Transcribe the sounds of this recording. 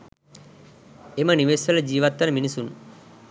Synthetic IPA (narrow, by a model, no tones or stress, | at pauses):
emɐniʋeːsɐlɐd͡ʒiːʋɐt̪ːɐnɐminisun